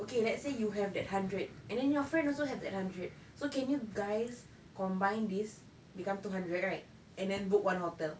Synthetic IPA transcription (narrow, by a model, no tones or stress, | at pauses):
okelɛtsejuɦɛvdɛt̚hãndɹəd̚ʔɛ̃ndɛ̃njɔfɹɛ̃ndɔlsoɦɛvdɛ̰t̚hãndɹət̚ | sokɛ̃njuɡajs | kɔ̃mbãj̃ndis | bikãmtuɦãndɹɛt̚ɹaɪt̚ | ɛ̃ndɛ̃nbuk̚wãnhotɛl